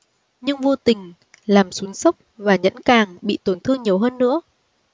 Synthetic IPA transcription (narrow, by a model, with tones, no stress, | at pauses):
ɲɨ˧ŋvo˧t̪ï˨˩ŋ̟ | laː˨˩msu˨˦əŋsə˦˥wk͡p̚vaː˨˩ɲə̰˧˥nkaː˨˩ŋɓḭ˧˨t̪o˨˩nt̪ʰɨ˧əŋɲi˨˩əwɦəː˧nːɨ̰˧˥ə